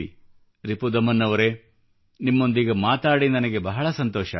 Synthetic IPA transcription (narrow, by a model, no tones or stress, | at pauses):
i | ɾipud̪ɐmɐnːɐʋɐɾeː | nimːo̞nd̪iɡɐmaːt̪aːɽinɐnɐɡe̞bɐɦɐɭɐsɐnt̪ɔːʃɐ̰